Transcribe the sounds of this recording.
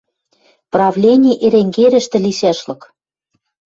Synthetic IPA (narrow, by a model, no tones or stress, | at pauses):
prɑvlʲenʲiʔeɾeŋɡeɾʲɘ̆ʃt̪ɘ̆lisæʃlɤ̆k